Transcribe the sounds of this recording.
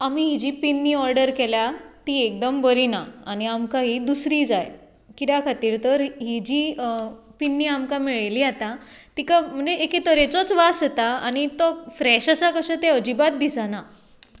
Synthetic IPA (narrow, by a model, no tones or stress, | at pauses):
amiɦid͡ʑiːpinːiːɔɾɖəɾkɛljat̪iːek̚d̪əmbəɾinaaniamkaɦid̪usɾiːd͡zaj | kit̪jakʰat̪iːɾt̪əɾɦid͡ʑiːpinːiːamkamiɭliːat̪at̪ikam̤əɳd͡zeʔeket̪əɾet͡sɔt͡sʋaset̪aanit̪ɔfɾɛɕasakəɕət̪eəd͡ʑibat̪̚d̪isana